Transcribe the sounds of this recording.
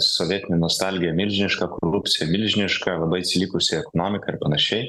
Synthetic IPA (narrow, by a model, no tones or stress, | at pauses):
soːʋʲiɛt̪ʲɪnʲɛnuɔst̪ɑlʲɡʲɪjɛmʲɪlʲʒʲɪnʲɪʃkɐkoɾʊpʲt̪sʲɪjɛmʲɪlʲʒʲɪnʲɪʃkɐlˠɐbɐɪɐt̪sʲɪlʲikʊsʲɪɛkɔnoːmʲɪkɐɪɾpɐnɐʃʲɛɪ